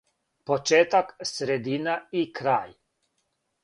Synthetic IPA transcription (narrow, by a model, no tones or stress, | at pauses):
pot͡ʃeːt̪aksɾed̪inaikɾaːj